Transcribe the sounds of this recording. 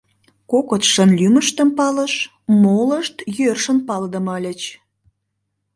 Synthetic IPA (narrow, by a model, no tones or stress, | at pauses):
kokot̪ʃənlʲyməʃt̪əmpɑləʃ | moləʃt̪jørʃənpɑld̪əmɑlʲə̆t͡ɕ